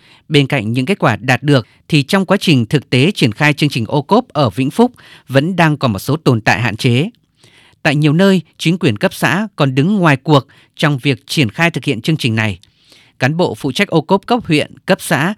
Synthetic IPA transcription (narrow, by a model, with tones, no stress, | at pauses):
ɓe˧nka̰˧˨jŋ̟ɲɨ̰˧˥ŋke˦˥t̚kwaː˧˩ɗaː˨˩t̚ɗɨ˨˩ək̚ | t̪ʰi˨˩t͡ɕɔ˧wŋ͡mkwaː˨˦t͡ɕï˨˩ŋ̟t̪ʰɨ˨˩k̚t̪e˨˦t͡ɕi˧˩ənxaː˧jt͡ɕɨ˧əŋt͡ɕï˨˩ŋ̟ʔo˧ko˦˥p̚ʔəː˧˩vḭ˧˥ŋ̟fʊ˦˥k͡p̚və̰˧˥nɗaː˧ŋkɔ˨˦mo˨˩t̚so˨˦t̪o˨˩nt̪a̰ː˧˨jɦa̰ː˧˨nt͡ɕe˨˦ | t̪a̰ː˧˨jɲi˨˩əwnəː˧jt͡ɕï˨˦ŋ̟kwi˧˩ənkə˦˥p̚sa̰ː˧˥kɔ˨˩nɗɨ˨˦ŋːwaː˨˩jku˨˩ək̚ | t͡ɕɔ˧wŋ͡mvi˨˩ək̚t͡ɕi˧˩ənxaː˧jt̪ʰɨ˨˩k̚hḭ˧˨ənt͡ɕɨ˧əŋt͡ɕï˨˩ŋ̟na˨˩j | kaː˨˦nɓo̰˧˨fṵ˧˨t͡ɕa˦˥k̟̚ʔo˧ko˦˥p̚kə˦˥p̚hwḭ˧˨ənkə˦˥p̚sa̰ː˧˥